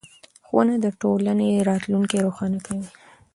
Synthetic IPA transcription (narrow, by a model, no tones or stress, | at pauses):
xwa̰nad̪əʈolaneɾɑt̪luŋkeɾoxɑnakawi